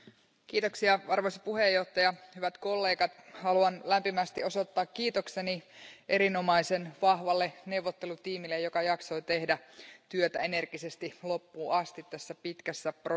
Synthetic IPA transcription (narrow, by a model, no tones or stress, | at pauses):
k̟iːt̪o̞ksiɑʋɑrʋospuɦejːo̞ht̪ːˑɑjɑhyʋæt̪ko̞lːe̞ːɡɑt̪hɑluɑnlæmpimæst̪io̞so̞t̪ːɑːkːiːt̪okseniʔeɾino̞mɑisenʋɑhʋɑlːene̞wʋot̪ːelut̪iːmilːejokɑjɑkso̞jt̪e̞hdæt̪yøt̪æ̰ene̞rɡ̥isest̪ilo̞pːuːɑst̪it̪t̪æsːæpit̪kæsːæpr